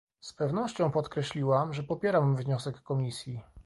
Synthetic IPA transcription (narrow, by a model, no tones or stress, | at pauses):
spɛvnɔɕt͡ɕɔ̃w̃pɔt̪kɾɛɕlʲiwamʐɛpɔpʲjɛɾamvɲɔsɛkːɔmʲisʲji